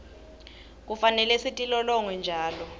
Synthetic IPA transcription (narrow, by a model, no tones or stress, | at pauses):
k̬ufanɛlɛsitʼilɔlɔŋwɛnd͡ʒʱaːlɔ